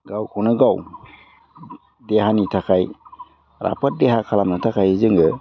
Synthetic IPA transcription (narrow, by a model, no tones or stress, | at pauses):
ɡawkʰuwnɯɡaw | deɦanitʰakʰaj | ɾa̰pʰət̚deɦakʰalamnɯtʰakʰajizɯŋɯ